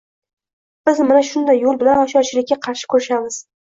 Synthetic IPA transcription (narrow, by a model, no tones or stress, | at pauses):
b̥ɪzmanaʃʊnd̪ajːolˠbɪlanɒʃɒɾt͡ʃʰɪlɪkʲːaqʰɑɾʃɪ̥kʰɵɾɪʃamɪz̥